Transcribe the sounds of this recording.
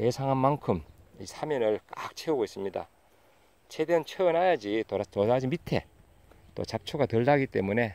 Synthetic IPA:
e̞sʰaŋɦanmaŋkʰɯmisʰamjʌnɯɭkak̚t͡ɕʰeuɡois͈ɯmɲida̰ | t͡ɕʰe̞deɯnt͡ɕʰeɯnɦajad͡ʑitotodad͡ʑimitʰe̞̰ | t͈o̰t͡ɕap̚t͡ɕʰoɡatɯɭdaɡit͈e̞mune̞

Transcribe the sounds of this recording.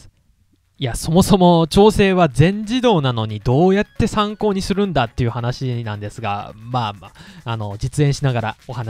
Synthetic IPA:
iaso̞mo̞so̞mo̞t͡ɕo̞ːse̞ːβad͡zẽ̞ɲd͡ʑid̪o̞ːnano̞ɲ̟id̪o̞ːjat̪ːe̞sãŋko̞ːɲ̟isɨɾɯ̟̃nd̪at̪ːe̞jɯ̟hanaɕinãnd̪e̞sɨɡa̰maːno̞d͡ʑit͡sɨẽ̞ɰ̃ɕinaɡaɾao̞hana

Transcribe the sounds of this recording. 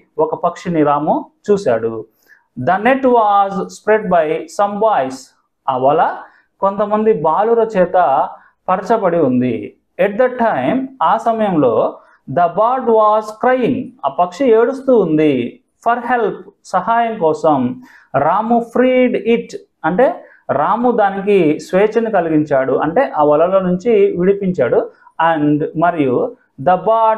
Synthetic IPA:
ɔkɐpɐkʂiniɾaːmut͡ʃuːsaːɽu | d̪ɐneʈʋaːzspɾeɖbɐjsɐmbaːjs | ɐʋɐlɐ | ko̞nt̪ɐmɐnd̪ibaːluɾɐt͡ʃɛːt̪ɐ | pɐɾɐt͡ʃɐbɐɽiund̪ḭ | ɛʈ̚d̪ɐʈːɐjmaːsɐmɐjɐmlo̞ː | d̪ɐbaːɾɖʋaːzkɾɐjiŋɡaːpɐkʂieːɽust̪uːnd̪i | pʰɐɾɦelpsɐɦaːjɐmkɔːsɐm | ɾaːmupʰɾiːɖiʈ | ɐɳʈe̞ː | ɾaːmud̪aːnikisʋeːt͡ʃɐnikɐliɡiɲt͡ʃaːɽuʔɐɳʈeːʔɐːʋɐlɐloːnuɲt͡ʃiʋiɽipiɲt͡ʃaːɽuɐɳɖmɐɾiju | d̪ɐbaːɖ

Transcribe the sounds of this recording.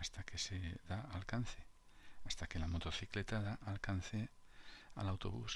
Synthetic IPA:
ast̪ake̞seðaalkanθe̞ | ast̪ake̞lamo̞t̪o̞θikle̞t̪aðaʔalkan̟θe̞ | a̰lawt̪o̞̰βus

